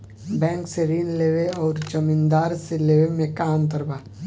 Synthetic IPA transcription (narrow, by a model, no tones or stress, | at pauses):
bɛ̃ːŋkseɾiːnleːʋeɔːɾt͡ʃɐmɪ̃nd̪aːɾseleːʋemẽkaːnt̪əɾbaː